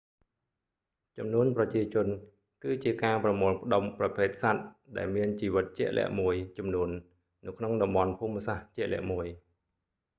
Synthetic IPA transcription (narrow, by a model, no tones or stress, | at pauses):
t͡ɕɑmnuənprɑt͡ɕiət͡ɕʊ̆ən | kɨːt͡ɕiəkaːprɑmoːlpʰə̆ɗomprɑpʰeːt̪̚sat̪̚ | ɗaɛlmiənt͡ɕiːʋɨt̪̚t͡ɕɛ̆əʔlʔɛ̰̆əʔmuəjt͡ɕɑmnuənː | ɨwkʰnoŋɗɑmɓɑnpʰuːmːsaht͡ɕɛ̆əʔlɛ̰̆əʔmuəj